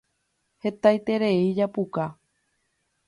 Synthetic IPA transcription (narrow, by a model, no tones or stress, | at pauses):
he̞t̪ajt̪e̞ɾe̞id͡ʒapuka